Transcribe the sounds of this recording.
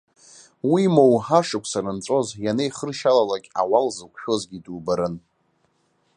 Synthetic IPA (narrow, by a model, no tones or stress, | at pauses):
wimowħaʂɨkʷʰʼsaɾɨnt͡sʷʼo̞zjanejχərʃalalakʲʼa̰walzɨkʷʰʼʃᶣo̞zɡʲitʼubaɾɨn